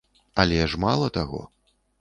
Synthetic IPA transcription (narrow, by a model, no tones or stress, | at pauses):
ɐlʲɛʐmalˠɐt̪aɣɔ̰